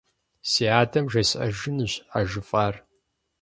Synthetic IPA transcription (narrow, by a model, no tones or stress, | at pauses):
siːaːtʰɐmʒɐɕʔɐ̰ʒɨnɨɕaʒɨfʼaːr